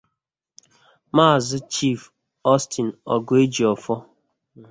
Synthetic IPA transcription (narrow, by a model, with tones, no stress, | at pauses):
ma˦˨zɪ˦t͡ʃi˦˨f | ɔ˦sti˨n̩˨ɔ̰˨ɡʊ˦e˦d͡ʒi˨ɔ˨fɔ˦